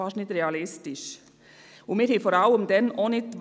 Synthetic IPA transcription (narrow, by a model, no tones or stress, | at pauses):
ɑʃnɪt̪ɾɛɑlɪst̪ɪʃ | ʊmiːɾhiːfɔɾɑʊəmd̪ɛnonɪt̪ʋ